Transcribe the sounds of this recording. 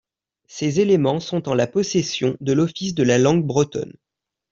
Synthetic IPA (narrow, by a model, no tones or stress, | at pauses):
sezelemɑ̃sɔ̃t̪ɑ̃lapɔsesjɔ̃d̪əlɔfisd̪əlalɑ̃ɡ̚bʁət̪ɔ̰n